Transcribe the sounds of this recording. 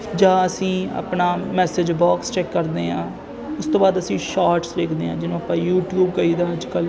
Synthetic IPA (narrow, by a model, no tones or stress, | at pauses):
d͡ʒãːəsĩːa̰ːpɳaːmɛːsɪd͡ʒbaːkst͡ʃɛːkːəɾd̪eːɦã̰ː | ʊst̪õːbaːd̪əsĩːʃaːɾʈsʋeːkʰd̪eːãːd͡ʒɪnõːapãːjuːʈjuːbkəiːd̪aːəd͡ʒkəl